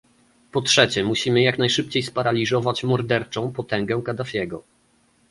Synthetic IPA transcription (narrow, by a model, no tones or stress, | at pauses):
pɔtʂɛt͡ɕɛmuɕimɘjaknajʂɘp̚t͡ɕejspaɾalʲizɔvat͡ɕmɔɾd̪ɛɾt͡ʂɔ̃w̃pɔt̪ɛŋɡɛwkad̪afʲjɛɡɔ